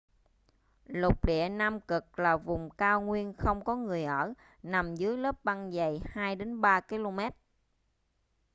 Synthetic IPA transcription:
lʊ˨˩k͡p̚ɗḭ˧˨ənaː˧mkɨ˨˩k̚laː˨˩vʊ˨˩ŋ͡mkaː˧wŋwi˧ənxə˧wŋ͡mkɔ˨˦ŋɨ˨˩əjʔəː˧˩ | na˨˩mzɨ˨˦jləː˦˥p̚ɓa˧nzə˨˩jhaː˧jɗe˨˦nɓaː˧ki˧lo˧mɛ˦˥t̚

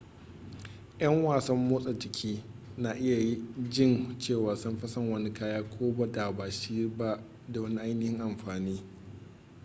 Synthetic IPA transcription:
jɐ˦ŋwaː˨sɐ˦mːoː˦sʼɐ˨d͡ʒɪ˨kʲʰiː˦na˨ʔɪ˦ja˨ji˦d͡ʒɪ˦˨nt͡ʃeː˦˨waː˨sɐ˦mɸɐ˦sɐ˦˨ŋwɐ˦ni˦kaː˦jaː˦kʷʰoː˦bɐ˦da˨ba˨ʃiː˦ba˦ʔ | da˨wɐ˦ni˦ʔa˦jnɪ˨hɪ˦ŋʔa˨mɸaː˨niː˦

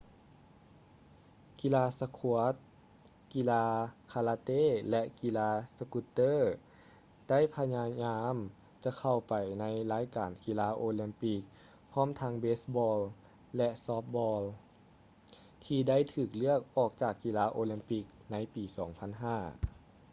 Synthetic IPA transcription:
ki˧laː˧sa˧kʰu˧ət̪̚ | ki˧laː˧kʰaː˧laː˧t̪eː˧˥˨lɛ˧ʔki˧laː˧sa˧ku˧˥t̪ːɤː˥˨ | d̥a˥˨jpʰa˧ɲaː˧ɲaː˧m | t͡ɕa˧kʰa˨˩wpa˨˩jna˧˥jlaː˧˥jkaː˨nki˧laː˧˥ʔoː˧li˧mpi˧˥k̚ | pʰɔː˧˥˨mt̪ʰa˧˥ŋbeː˦˥sbɔː˧l | lɛ˧ʔsɔː˧˦˥p̚bɔː˧l | t̪ʰiː˧da˥˨jt̪ʰɯː˨˩k̚lɯ˥˩ək̚ʔɔː˨˩k̚t͡ɕaː˨˩kːi˧laː˧ʔoː˧li˧mpi˧˥k̚na˧˥jpiː˨˩sɔː˩˦ŋpʰa˧˥˨nɦaː˧˥˩

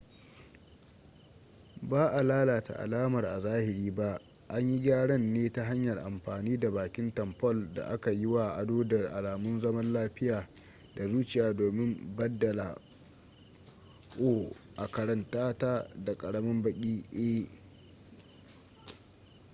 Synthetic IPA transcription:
baː˦ʔa˨laː˦laː˨ta̰˨ʔa̰˨laː˦mɐ˨rʔa˨zaː˦hɪ˨ɾiː˦ba˦ | ʔa˦ɲji˦ɡʲaː˦ɽɐ˦nːeː˦ta˦ɦa˦ɲjɐ˨rʔa˨mɸaː˨niː˦da˨baː˨kʲɪ˦ntɐ˨mpɔ˦˨lda̰˨ʔa˦ka˨jɪ˦wa˨ʔa˨doː˦dɐ˨rʔa˨laː˨mʊ˦nzɐ˦mɐ˦nlaː˦ɸɪ˦jaː˨ | da˨zuː˦t͡ʃɪ˨jaː˨doː˨mɪ˦mbɐ˦dːɐ˨la̰˨ | ʔoː˦ | ʔa˨kɐ˨ɽɐ˨ntaː˦taː˦da˨kʼɐ˨ɽɐ˦mɪ˦mbɐ˨kʲʼiː˦ʔe˦

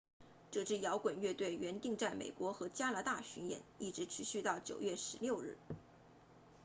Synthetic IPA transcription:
ʈ͡ʂɤ˥˩ʈ͡ʂɻ̩˥˩jɑ˧˥ʊkwə˨˩nɥɛ˥˧t̪we˥˩ɪɥɛ˧˥nt̪i˥˧ŋt͡sa˥˩ɪmḛ˨˩ɪkwɔ˧˥xɤ˧˥t͡ɕja˥la˧˥t̪a˥˩ɕy˧˥njɛ̰˨˩˦ni˥˩ʈ͡ʂɻ̩˧˥ʈ͡ʂʰy˧˥ɕy˥˧t̪ɑ˥˩ʊt͡ɕjo˨˩ʊɥɛ˥˩ʂɻ̩˧˥ljo˥˧ʊɻɻ̩˥˩

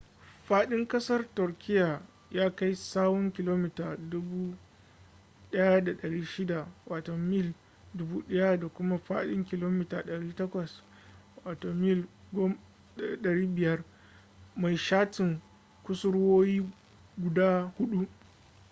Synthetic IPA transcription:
ɸaː˦ɗɪ˦ŋkɐ˦sɐ˦rtʊ˨ɾkʲɪ˦ja˨ | jaː˦ka˦jsaː˦wɔ˦ŋkʲɪ˦loː˦mi˦taː˨dʊ˦buː˦ | ɗɐ˦ja˦da˨ɗɐ˨ɽiː˦ʃɪ˦da˨waː˨tɔ˨mɪ˦˨l | dʊ˦buː˦ɗɐ˦ja˦da˨kʷʊ˦ma˦ɸa̰ː˦ɗɪ˦ŋkʲɪ˦˨loː˦mi˦taː˨ɗɐ˨ɽiː˦tɐ˦kʷɐ˨s | waː˨toː˨mɪ˦˨l | ɡo˦m˦ | ɗɐ˨ɽiː˦bɪ˨jɐ˦r | ma˨jʃaː˦tɪ˨ŋ | kʷʊ˦sʊ˦ɽwoː˦jiː˦ | ɡʷʊ˨daː˦hʊ˦ɗu˦ʔ

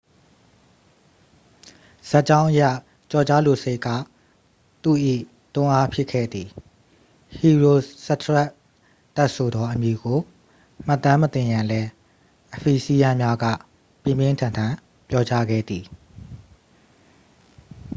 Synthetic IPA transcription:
z̥a˦ʔt͡ɕã˦ʊ̃ʔəja˦˨ | t͡ɕɔ˨t͡ɕa˦lo˨se˦ɪʔkːa̰˦˨ | t̪ṵ˦˨ʔḭ˦˨ | t̪ʊ̃˦ʔa˦pʰjɪ˦ʔkʰɛ̰˦˨d̪ði˨ | hi˨ɹo˨sɛ˦˨t̪ʰɹɛ˦ʔ | t̪ɛ˦ʔso˨d̪ɔ˦ʔəmji˨ɡo˨ | m̥a˦˨t̪ːã˦mət̪ɪ̃˨jã˨lɛ˦ | ʔəpʰi˨si˦jã˦mja˦ɡä̰˦˨ | pjɪ̃˦˨mjɪ̃˦tʰã˨ntʰã˨ | pjɔ˦t͡ɕa˦ɡɛ̰˦˨d̪ði˨

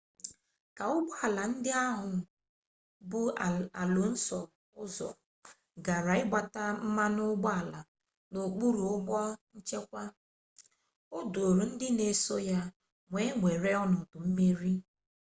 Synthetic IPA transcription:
ka˨ʊ˦ɡ͡bɔ˦a˨la˨n̩˦dɪ˦a˦ɦʊ˨ | bʊ˦˨a̰˨lʊ˨n̩˦sɔ˨ | ʊ˦zɔ̰˨ | ɡa˨ɾa˨ɪ˦ɡ͡ba˨ta˦m̩˦ma˦nʊ˦ɡ͡bɔ˦a˨la˨ | no˨k͡pu˦ɾu˨ʊ˦ɡ͡bɔ˦n̩˦t͡ʃe˦kʷa˦ | o˦du˨o˨ɾu˨n̩˦dɪ˦ne˨so˦ja˦ | ŋʷe˨˦ŋʷe˨ɾe˦ɔ˦nʊ˨tʊ˨m̩˦me˦ɾi˦

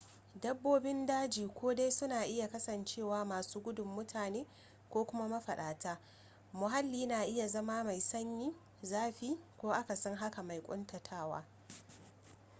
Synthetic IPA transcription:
dɐ˦bːoː˦bɪ˦ndaː˦d͡ʒiː˨kʷoː˦de˦jsʊ˦naː˨ʔɪ˦ja˨kɐ˦sɐ˨nt͡ʃeː˦˨waː˦maː˨suː˦ɡʷʊ˦dʊ˨mːʊ˦tʰaː˨neː˦ | kʷoː˦kʷʊ˦ma˦mɐ˦ɸɐ˨ɗaː˨taː˦ | mʊ˨ɦa˦lːiː˦naː˨ʔɪ˦ja˨zɐ˦maː˦ma˨jsɐ˦ɲjiː˦ | zaː˦ɸiː˦kʷoː˦ʔa˦ka˨sɔ˦ŋɦa˦ka˨ma˨jkʷʼʊ̰˦ntɐ˨tʰaː˦˨wa̰ː˦

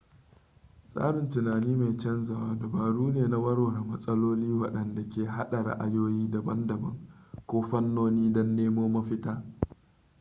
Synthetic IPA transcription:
sʼa̰ː˦ɽɪ˨ntʊ˨naː˨niː˦ma˨jt͡ʃɛ˦nza˨waː˦dɐ˨baː˨ɽuː˦neː˨na˦wɐ˦ɽwɐ˨ɾa˨mɐ˦sʼɐ˦loː˦liː˦wɐ˦ɗɐ˨nda˨kʲeː˨ɦa˦ɗa˨ɽa̰˨ʔa˨joː˦jiː˦dɐ˨bɐ˦ndɐ˨bɐ̰˦ŋkʷoː˦ɸɐ˦nːoː˦niː˦dɔ˦nːeː˦moː˦mɐ˦ɸɪ˦taː˦

